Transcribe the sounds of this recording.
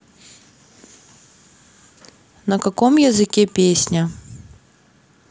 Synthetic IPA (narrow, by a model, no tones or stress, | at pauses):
nɐkakɔmjɐzɨkʲɛpʲesʲnʲɐ